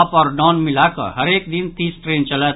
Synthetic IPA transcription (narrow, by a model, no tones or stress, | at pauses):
pɔːɾnɔːnmɪlakə̰ɦəɾeːkd̪ɪnt̪iːsʈɾẽːnt͡ʃələt̪